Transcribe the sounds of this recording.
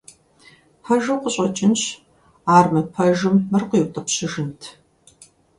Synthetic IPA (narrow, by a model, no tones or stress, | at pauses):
ħɐʒɐwqəɕʼɐt͡ʃʼɪnɕ | aːrmɨpʰɐʒɨmːɐrqijwtʼɐpɕɪʒɪntʰ